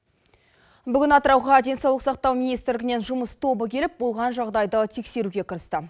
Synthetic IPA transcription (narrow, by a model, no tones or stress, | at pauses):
bʏɡʲɪnɑt̪əɾɑwʁɑd̪e̞nsɑwlˠəqsɑqt̪ɑwmʲinijst̪ɾlɪɡʲɪne̞nʒʊməst̪ʰo̞bəkʲʰe̞lɪp̚bo̞lˠʁɑnʒɑʁd̪ɑjd̪ət̪ʰe̞kse̞ɾuɡʲe̞kʰəɾəst̪ə